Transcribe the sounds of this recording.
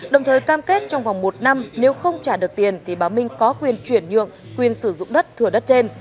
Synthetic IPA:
ɗə˨˩wŋ͡mt̪ʰəː˨˩jkaː˧mke˦˥t̚t͡ɕɔ˧wŋ͡mva˨˩wŋ͡mmo˨˩t̚na˧mne˨˦wxə˧wŋ͡mt͡ɕaː˧˩ɗɨ˨˩ək̚t̪i˨˩ənt̪ʰi˨˩ɓaː˨˩wmï˧ŋ̟kɔ˨˦kwi˨˩ənt͡ɕwi˧˩ənɲɨ̰˧˨əŋ | kwi˨˩ənsɨ˧˩zʊ̰˧˨ŋ͡mɗə˦˥t̚t̪ʰːɨ˧˩əɗə˦˥t̚t͡ɕe˧n

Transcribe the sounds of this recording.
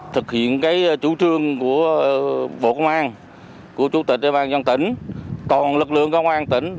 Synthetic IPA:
t̪ʰɨ˨˩k̚hḭ˧˨ənkaː˨˦jt͡ɕu˧˦t͡ɕɨ˧əŋku˧˩ə | ɓo̰˧˨kə˧wŋ͡mʔaː˧n | ku˧˩ət͡ɕu˧˩˦t̪i˨˩k̚ɗe˨˧˩wɓaː˧nzɔ˧nt̪ï˧˩˦ŋ̟t̪ɔ˨˩nlɨ˨˩k̚lɨ̰˧˨əŋkə˧wŋ͡mʔaː˧nt̪ï˧˩˦ŋ̟

